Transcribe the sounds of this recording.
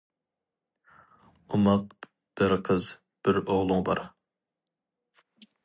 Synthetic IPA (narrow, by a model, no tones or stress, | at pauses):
umɑq̚ | b̥ɪɾqʰəz | b̥ɪɾoʁlˠʊŋbɑ̰ɾ